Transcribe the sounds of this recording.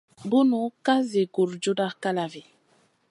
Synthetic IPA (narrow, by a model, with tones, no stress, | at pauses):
bu˦nu˨˦ka˦ze˨ɡu˨ɾd͡ʒo˦da˦ka˦la˨vi˨